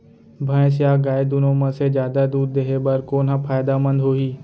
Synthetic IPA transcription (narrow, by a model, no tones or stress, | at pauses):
bʱə̃ẽs̬jaːɡaːed̪unõːmə̃sed͡ʒjaːd̪ad̪uːɾ̚d̪eɦebəɾkoːnɦãpʰaːjd̪amə̃nd̪ɦoːɦiː